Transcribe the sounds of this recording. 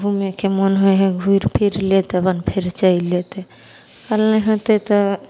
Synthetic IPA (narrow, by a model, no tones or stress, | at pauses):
bʱumekʰemɔnɦoeɦeɡʱuiɾpʰiɾlet̪ebanpʰeɾt͡ʃailet̪e | kalneɦot̪et̪ɔ